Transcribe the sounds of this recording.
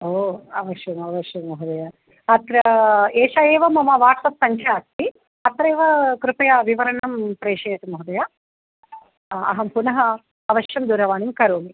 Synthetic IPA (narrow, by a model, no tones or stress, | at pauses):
oːɐʋɐʃjɐmɐʋɐʃjɐmːɐɦud̪ɐja | ɐt̪ɾɐeːʃaːjeːʋɐmɐmɐʋaːʈsɐpsɐŋkʰjaːɐk̚t̪i | ɐt̪ɾeːʋɐkɾupɐjaʋiʋɐɾɐɳɐmpɾeːʃeːt̪ɐmɐɦud̪ɐja | ɐ̰ɦɐmpunɐɦɐ | ɐʋɐʃjɐmd̪uːɾɐʋaːnimkɐɾoːmi